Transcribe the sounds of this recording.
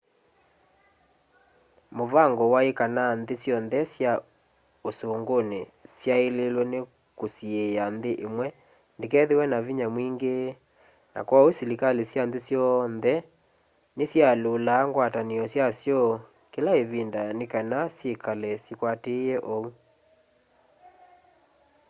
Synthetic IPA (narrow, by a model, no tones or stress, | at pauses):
movaŋɡɔwaekananðesjɔnðɛsja | osoːŋɡonesjaelelwɛne | kosiejanðeʔemwɛ | ndekɛðewɛnaviɲamwiŋɡe | na̰kwausilikalesjanðesjɔnðɛ | nesjalolaːŋɡwataneɔsjasjɔ | kelaeβindanekanasjekalɛsikwatejɛʔɔu